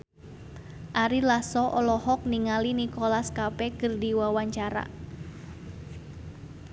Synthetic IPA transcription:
ʔaɾilasɔʔɔlɔhɔk̚niŋalinikɔlaskapɛkərdiwawaɲt͡ʃaɾa̰

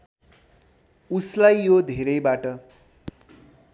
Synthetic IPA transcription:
uslajːjod̪ʱeɾʌjbaʈʌ

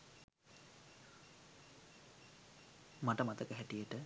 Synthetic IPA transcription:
maʈəmat̪əkəɦæʈijəʈə

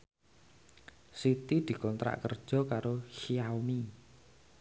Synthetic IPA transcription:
sit̪id̪̥i̤kɔnt̪ɾa̰ʔkə̰rd̥ʒ̥ɔ̤kaɾoʃiawmi

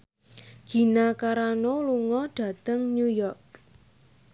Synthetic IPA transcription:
ɡ̥i̤nakaɾanoluŋɔɖ̥ä̤t̪əŋnujɔrk̚

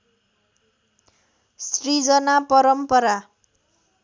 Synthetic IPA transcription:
srid͡zʌnapʌɾʌmpʌɾa

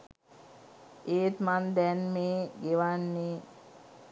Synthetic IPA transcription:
eːt̪mand̪ɛnmeːɡeʋanːe

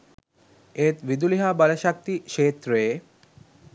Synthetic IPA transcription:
eːt̪ʋid̪uliɦaːbaləʃak̚t̪iʃeːt̪ɾəe

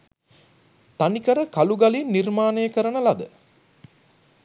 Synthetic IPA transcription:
t̪anikəɾəkaluɡalinːirmaːnejːkəɾənəlad̪ə

